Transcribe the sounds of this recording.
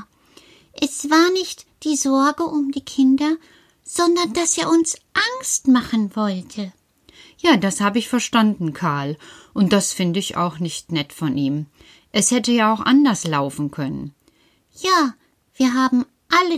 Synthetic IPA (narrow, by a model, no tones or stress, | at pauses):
ʔɛsv̥aːɐnɪçtd̥iːzɔɐɡəʔʊmdiːkʰɪndɐ | z̥ɔndɐndaseːɐʊnsʔaŋstmaχn̩vɔltʰə | jaːdashaːbəɪçfɛɐʃtandn̩kʰaɐlʔʊnt̚d̥asfɪndəɪça̰ʊxnɪçtnɛtfɔnʔiːm | ʔɛshɛtəjaːaʊxʔa̰ndɐslaʊfn̩kʰœnə̰n | jaː | v̥iːɐɦaːbm̩ | ʔalə